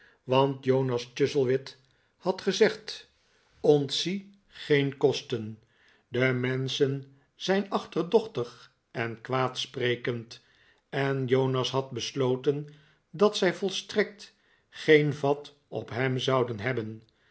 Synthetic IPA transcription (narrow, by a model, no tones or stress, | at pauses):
ʋɑntjownɑst͡ʃʏzəlˠʋɪt | hɑtχəzɛχt | ɔntsi | χejnkɔstən | dəmɛnsən | z̥ɛjnɑχtərdɔχtəχ | ɛnkʋaːtsprejkənt | ɛnjownɑsɦɑd̚bəslowtən | dɑtsɛjvɔlˠstrɛk̚t | χejnvɑt | ɔ̰pɦɛmzɑwdənɦɛbən